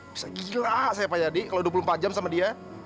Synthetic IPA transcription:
b̥i̥saɡilaʔsajapajadikalawduapulʊmpat̪̚d͡ʒamsamadia

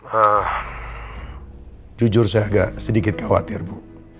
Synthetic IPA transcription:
ah | d͡ʒud͡ʒʊrsaaɡaʔsədikɪt̪̚kʰawa̰t̪ɪrbu

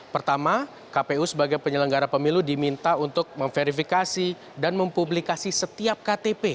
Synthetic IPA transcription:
pərt̪ama | kapeusəbaɡajpəɲələŋɡaɾapəmiludimint̪aunt̪ʊk̚məŋfeɾifikasi | danməmpublikasisət̪iap̚kat̪epe

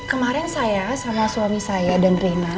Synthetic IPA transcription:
kəmaɾɪnsajasamasuamisajadanrena

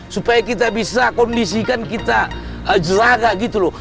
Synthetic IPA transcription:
supajakit̪abisakɔndisikankit̪aəd͡ʒəɾaɡaɡit̪ulɔ

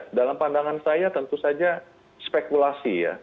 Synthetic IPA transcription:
dalampandaŋansajat̪ənt̪usad͡ʒa | spekulasija̰

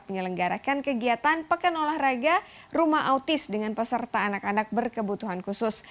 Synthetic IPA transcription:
pməɲələŋɡaɾa̰kankəɡiat̪anpəkanolahraɡa | rumaɦʔaut̪ɪsdəŋanpəsərt̪aːnakanak̚bərkəbut̪uɦankusʊs

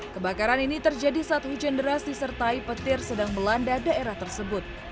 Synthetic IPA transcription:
kəbakaɾaninit̪ərd͡ʒadisaat̪̚hud͡ʒɛndəɾasdisərt̪aipət̪ɪrsədaŋməlandadaeɾaht̪ərsəbʊt̪̚

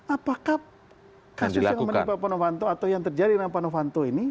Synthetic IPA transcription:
apaka | kasiʊlajaŋmənibat̪̚panofant̪oat̪awjaŋt̪ərd͡ʒadidəampanofant̪oini

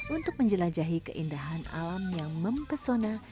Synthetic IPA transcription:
unt̪ʊk̚məɲd͡ʒəlad͡ʒaɦikəʔindaɦana̰lamjaŋməmpərsona

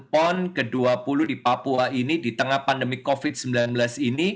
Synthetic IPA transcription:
pɔnkəduapuluhdipapuainidit̪əŋahpandəmikofɪt̪̚səmbilanbəlasini

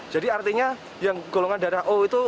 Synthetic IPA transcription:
d͡ʒadiart̪iɲa | jaŋɡ̥oloŋandaɾaɦʔoit̪u

